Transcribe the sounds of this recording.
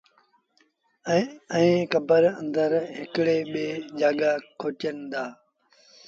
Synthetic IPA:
ɛ̃ːkəbəɾə̰̃nd̪əɾɦɪkɽeːɓeːd͡ʒaːɠakʰoːʈənɪd̪aː

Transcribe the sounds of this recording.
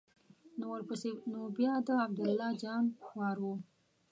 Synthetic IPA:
nowəɾpəsenobjɑd̪əab̚d̪ʊlːɑd͡ʒɑnxwɑɾwu

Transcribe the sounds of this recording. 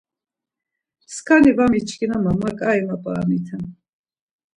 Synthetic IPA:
skʰanivamit͡ʃʰkʰinamamakʼaimapʼa̰ːmit̪ʰɛm

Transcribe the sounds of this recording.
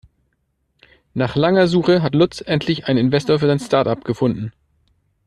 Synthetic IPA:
naːχlaŋɐzuːxəɦatlʊtt͡sʔɛntʰlɪçʔaɪnɪnvɛstoːɐfyːɐzaɪnstaɐtapɡ̥əfʊndn̩

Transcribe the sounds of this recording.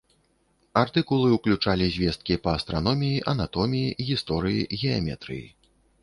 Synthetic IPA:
art̪ɨkulˠɨuklʲut͡ʂalʲizʲvʲɛst̪kʲipɐɐst̪ɾanɔmʲijiʔɐnat̪ɔmʲijiɣʲist̪ɔɾɨjḭɣʲɛamʲɛ̰t̪ɾɨ̰jḭ

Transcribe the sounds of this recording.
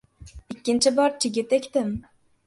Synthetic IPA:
ikʲːɪnt͡ʃʰɪbɒɾt͡ʃʰɪɡʲɪt̪ekʲt̪ɪm

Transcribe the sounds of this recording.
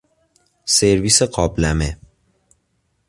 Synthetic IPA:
seɾviːseɢɒːblæme

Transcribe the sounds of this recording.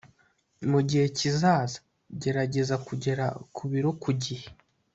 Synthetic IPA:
muɟihe̞cizaːzḁ | ɟe̞ɾaɟe̞zakuɟe̞ɾa̰kʰuβiɾo̞kuɟihe

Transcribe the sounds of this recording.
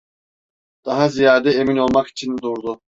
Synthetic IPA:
d̪̥aɦazijaːd̪ɛemino̞lˠmaki̥t͡ʃʰind̪uɾd̪ʊ

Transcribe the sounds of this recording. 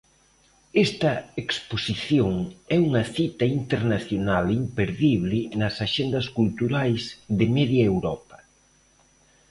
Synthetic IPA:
ɛst̪ɐeksposiθjoŋɛuŋɐθit̪ɐint̪eɾnaθjonalimpeɾðiβlɪnɐsaʃend̪ɐskult̪uɾajzðɪmɛðjɐewɾɔpɐ

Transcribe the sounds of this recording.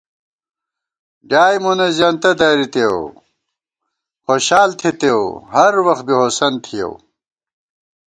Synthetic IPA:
ɡaːjmunɐzjaːnt̪ɐd̪aːɾit̪ew | xoɕaːlt̪ʰet̪ewɦɐɾwɐx̚biɦosɐnt̪ʰijɐ̰w

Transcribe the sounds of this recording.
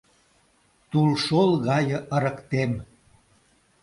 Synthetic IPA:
t̪ulʃolˠɣɑjə̆ʔə̆ɾə̆kt̪em

